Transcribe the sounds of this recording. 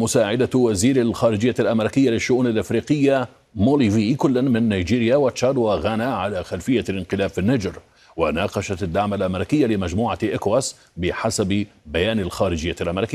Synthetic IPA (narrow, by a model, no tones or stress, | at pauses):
mʊsaːʕɪd̪awaziːɾalxaːɾɪd͡ʒɪjːalʔameɾɪkɪjːalɪʃːʊʔuːnalʔɪfɾiːqɪjːa | moːliːvikʊlːanmɪnːajd͡ʒiːɾɪjawat͡ʃːɑd̪waɣanaʕalaːxalfɪjːalɪnqɪlaːbfɪnːad͡ʒɾ | wanɑːqɑʃat̪ad̪ːaʕmalʔamɪɾɪkɪjːalɪmad͡ʒmuːʕaʔɪkwas | bɪħasabbajaːnalxaːɾɪd͡ʒɪjːalʔamɾɪkɪj